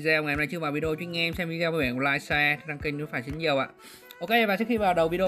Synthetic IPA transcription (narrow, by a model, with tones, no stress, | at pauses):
zɛ˧wŋa˨˧na˧˩t͡ɕɨ˧vaː˨˩wvi˧ə˧t͡ɕwi˧˦ŋɛ˧msɛ˧mvi˧zɛ˧wɓɛː˧˩klaː˧jsɛ˧t̪ʰi˨˩na˧ŋki˧˩ŋɲ˨˦faː˧˩jsi˨˦nɲi˨˩əwʔa̰ː˧˨ | ʔo˧ke˧vaː˨˩t͡ɕɨ˦˥kxi˧vaː˨˩ɗə˨˩wvi˧ɗə˧